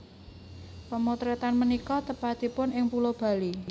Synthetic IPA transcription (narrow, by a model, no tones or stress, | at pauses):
pəmot̪ɾɛt̪anmənikɔt̪əpad̪̥i̤pʊnɪŋpulob̥a̤li